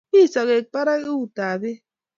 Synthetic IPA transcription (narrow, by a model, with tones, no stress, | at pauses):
i˦˨sɔ˨ɣe˨k͡pa˦ɾa˦e˦u˨ta˨be˦